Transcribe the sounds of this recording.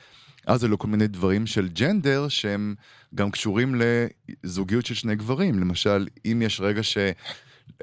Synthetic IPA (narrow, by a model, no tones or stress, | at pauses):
ʔazeloko̞lmine̞jd̪vaʁimʃe̞ld͡ʒend̪e̞ʁʃehe̞m | ɡamkʃuʁimle̞zuɡijutʃelʃne̞jɡvaʁimlemaʃalimjeʃʁe̞ɡaʃe̞